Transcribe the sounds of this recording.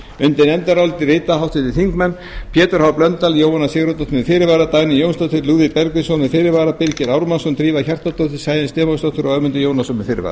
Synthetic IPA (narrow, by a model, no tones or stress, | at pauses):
ʏnt̪ɪnɛnt̪aɾawlt̪ɪrɪːt̪aɦawt̪ʰɪt̪ɪθiŋkmɛnː | pʰjɛːt̪ʏɾhawplœnt̪aljoːwanːasɪːɣɾɔt̪at̪ʰʏnɪfɪːɾɪɾvaːɾat̪ajnɪjownst̪at̪ʰʏɾluːðɪpɛɾkvɪsɔnɪfɪːɾɪɾvaːɾapɪɾcɪɾawɾmansɔnt̪ɾiːvaçar̥t̪at̪ot̪ɪ̥saːjðɪnst̪ɪːmast̪at̪ʰʏɾawœmʏnt̪ɪjoːwnasɔmɪnfɪɾɪ̰va̰ɾa